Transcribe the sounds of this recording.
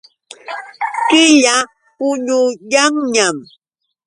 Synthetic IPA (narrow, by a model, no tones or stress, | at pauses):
kɪʎa | pʊɲʊjaŋɲam